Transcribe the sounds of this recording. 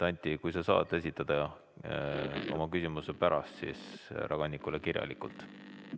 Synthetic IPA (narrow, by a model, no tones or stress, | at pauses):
t̪ɑnʲt̪ʲːˑikujsɑsɑ̰ːt̪ːˑe̞sʲit̪ːˑɑd̪̥ɑɑ | o̞̰mɑkysimusepæɾɑst̪sḭːsɾɑɡ̥ɑnʲːikˑulekirjɑ̰likːˑult̪